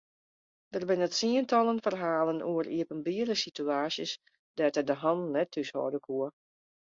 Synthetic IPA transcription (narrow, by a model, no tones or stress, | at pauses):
d̥ərbɪnətsiəntɑlˠənfərɦaːlənuəriəpənbiələsityaːsjəs | d̥ɛtədəɦɑnnɛtʰːyshɔ̰ːdəkʰuə